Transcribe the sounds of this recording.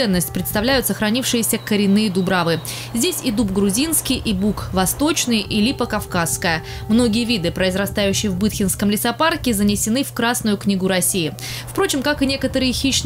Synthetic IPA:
ɛnːəsʲtʲpɾʲɪt̪st̪ɐvlʲæjʊt̪səxɾɐnʲifʂɨjɪsʲəkəɾʲɪnːɨjəd̪ʊbɾavɨ | zʲdʲesʲid̪upɡɾʊzʲinskʲɪjʔibukvɐst̪o̞t͡ɕnɨjʔɪlʲipəkɐfkaskəjə | mno̞ɡʲɪjəvʲid̪ɨpɾəɪzrɐst̪ajʉɕːɪjəvbɨt̪xʲɪnskəmlʲɪsɐparkʲɪzənʲɪsʲɪnɨfkɾasnʊjʊknʲiɡʊɾɐsʲijɪ | fpɾo̞t͡ɕɪmkakɨnʲe̞kət̪əɾɨjəxʲiɕ

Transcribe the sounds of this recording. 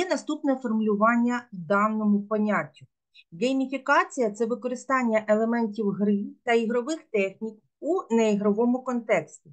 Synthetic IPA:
ɛnɐst̪upnɛfɔrmʊlʲʊʋɑnʲːɐd̪ɑnnɔmʊpɔnʲatʲːʊ | ɡemʲifʲikɑt͡sʲijɐt̪sɛʋɪkɔɾɪst̪ɑnʲːɐʔelˠemɛnʲtʲiwɦɾɪt̪ɐiɦɾɔʋɪxt̪ɛxnʲik̚ | uneiɦɾɔʋɔmʊkɔnt̪ɛksʲtʲi

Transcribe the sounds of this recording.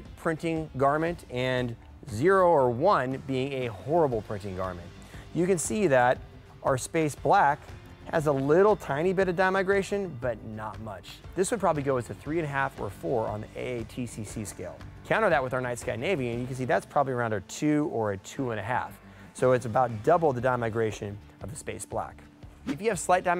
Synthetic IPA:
pʰɹ̥ɪ̃ntɪ̃ŋɡɑɹmɨ̃ntɨ̃n | zɪɹoʊə˞wʌ̃nbiɪ̃ŋɨhɔɹəbl̩ˠpʰɹ̥ɪ̃ntɪ̃ŋɡɑ̰ɹmɨ̃nʔ | jɨkɨ̃nsiðəɾ | ʔəə˞speɪsb̥læk | hɨ̰zəlɪɾl̩ˠtʰãɪ̃ñibɪɾʌvdãɪ̃maɪɡɹeɪʃɨ̃nbʌtⁿnət̚mʌt͡ʃðɪswɨd̚pʰɹ̥ɑbəbliɡoʊɨz̥tʰɨθɹiɨ̃nɨɦæfə̰˞fɔɹə̰̃nðḭḛtʰisisiskeɪlˠkʰãʊ̃ñə˞ðɨt̚wəðaʊə˞naɪtskaɪneɪviɨ̃njɨkɨ̃nsiðætspʰɹ̥ɑbəbliəɹãʊ̃ndə˞tʰʉə˞ɨtʰʉə̃ñɨɦæ̰f | soʊɨtsɨbaʊt̚d̥ʌbl̩ˠðɨdãɪ̃maɪɡɹeɪʃɨ̃n | ʌvðɨspeɪsb̥læ̰k | ɨfjɨːv̥slaɪt̚d̥ãɪ̃

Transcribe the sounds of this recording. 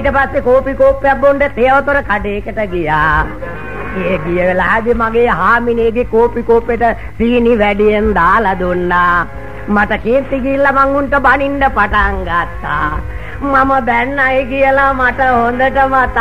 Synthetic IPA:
ʈəpasːekoːpikoːpːejabːuɳɖət̪eəʋət̪uɾəkaɖeːkəʈəɡijaː | eɡijəʋelaɦɛb̪imaɡeːɦaːmineːɡekoːpikoːpjeʈə | siːniʋæɖijend̪aːlad̪unːaː | maʈɐkeːnt̪iɡiːlːamaŋɡuɳʈəbaniɳɖəpaʈaŋɡat̪ːa̰ | maməb̪ænːajɡijəlamaʈəɦond̪əʈəmat̪

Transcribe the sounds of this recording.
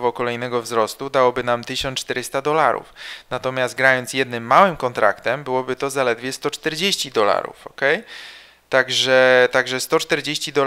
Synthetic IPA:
vɔkɔlɛjnɛɡɔvzɾɔst̪ud̪awɔbɘnamt̪ɘɕɔnt͡ʂt̪ɛɾɘst̪ad̪ɔlaɾṵfnat̪ɔmʲjast̪̚ɡɾajɔnt̪sjɛd̪nɘmːawɘmkɔnt̪ɾa̰kt̪ɛmbɘwɔbɘt̪ɔzalɛd̪vʲjɛst̪ɔt͡ʂt̪ɛɾd͡ʑeɕt͡ɕid̪ɔla̰ɾṵfɔkɛj | t̪aɡʐɛt̪aɡʐɛst̪ɔt͡ʂt̪ɛɾd͡ʑeɕt͡ɕid̪ɔ

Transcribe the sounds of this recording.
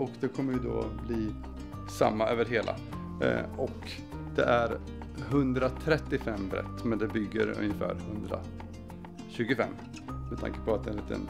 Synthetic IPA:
ɔkd̪ɛkʰɔmːəɾjɵd̪o̰bliː | sa̰mːaøːvəɾɦeːlʔa̰ | ɔk | d̪̥ɛʔæɾ | ɦɵnd̪ɾat̪ʰɾɛt̪ːɪfɛmːbɾɛ̰t̪ːmɛnd̪ɛbʏɡːə̰ɾɵ̰njəfæ̰ːɾhɵnd̪ɾa̰ | ɕʉ̟ːɡəfɛ̰mː | mɛt̪ʰa̰ŋkə̥pʰɔat̪̚d̪ɛnliːt̪ʰə̰n

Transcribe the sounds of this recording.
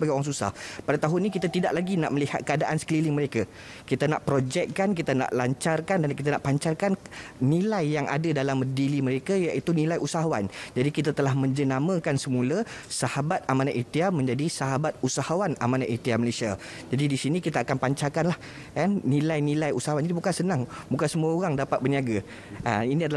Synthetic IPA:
əbaɡioɾaŋsusa̰hpadat̪aɦʊnːĩkit̪at̪idaʔlaɡina̰ʔməliha̰t̪̚kəadaʔansə̥kəlilɪŋməɾeka | kit̪ana̰ʔpɾod͡ʒɛk̚kankit̪ana̰ʔlaɲt͡ʃarkandankit̪anaʔpaɲt͡ʃarkannĩlajːaŋa̰dadalamədiliməɾekajaʔit̪unilajusaɦawa̰nd͡ʒadikit̪at̪əlahmə̃ɲd͡ʒənamãkansəmulasahabat̪̚amanaʔit̪iamə̃ɲd͡ʒadisaɦabat̪̚usahawana̰manaʔit̪iaməlesia | d͡ʒadidisinĩkit̪aːkanpaɲt͡ʃakanlah | kanːilajnilajusaɦawanid̪ibukansənãŋbukansəmuaoɣaŋdapat̪̚bərniaɡa | a̰inĩadal

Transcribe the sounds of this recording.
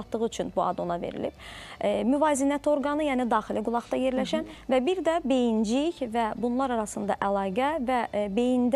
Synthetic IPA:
t̪ːɯʁɯyt͡ʃʰynbuɑ̰d̪o̞nɑve̞̰ɾḭlḭb̥myvɑːzinæt̪ʰio̞ɾɡɑnɯjæːnid̪ɑːxiliɡulˠɑʁt̪ɑje̞ɾlæʃænvæbiɾd̪æbe̞jind͡ʒiçvæbunlˠɑɾɑɾɑsɯnd̪ɑ̰ʔælˠɑːɡævæbe̞jind̪

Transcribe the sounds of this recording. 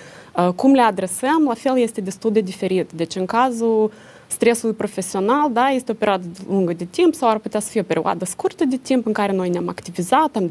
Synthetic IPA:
əkumle̞ad̪ɾe̞səmlafe̞ljest̪e̞d̪est̪ulˠd̪ed̪ife̞ɾit̪d̪e̞t͡ʃɨŋkazu | st̪ɾe̞sulujpɾo̞fe̞sio̞nald̪ajest̪eo̞peɾʲiad̪əd̪eluŋɡəd̪e̞t̪impsawarput̪easə̥fijeope̞ɾia̰d̪əskurt̪əd̪et̪impɨŋkaɾe̞no̞jneama̰kt̪ivizat̪am

